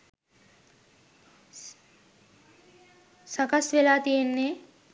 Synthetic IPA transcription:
sakasʋelaːt̪ijenːe

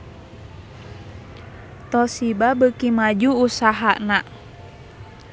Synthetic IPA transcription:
t̪ɔsibabəkimad͡ʒuːsaɦana

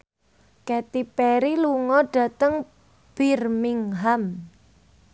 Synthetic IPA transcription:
kɛt̪ipɛɾiluŋɔɖ̥ä̤t̪əŋ | b̥irmiŋɦam

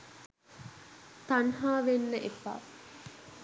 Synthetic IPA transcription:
t̪ɐnɦaːʋenːəʔefa̰ː

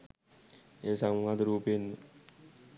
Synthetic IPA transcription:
esaŋŋat̪ɾupɪn

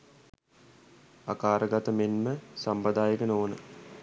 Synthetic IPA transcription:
akaːɾəɡat̪əmenməsampəd̪aːjəkənoːnə

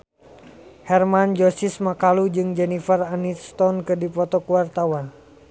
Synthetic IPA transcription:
hɛrmand͡ʒɔsismakalud͡ʒɨŋd͡ʒɛnifɛranist̪ɔnkɨdipɔt̪ɔkuwart̪awan

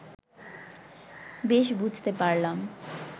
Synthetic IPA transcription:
beʃbud͡ʑʱt̪epaɾlam

